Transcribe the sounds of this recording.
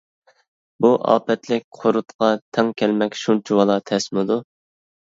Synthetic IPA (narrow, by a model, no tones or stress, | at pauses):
buʔɑ̰ːpɛt̪lɪk̚ʲqʰoɾʊt̪qɑt̪ʰɛŋkʲʰɛlmɛkʲʃunt͡ʃʰiwɑlˠɑt̪ʰɛsmɨd̪u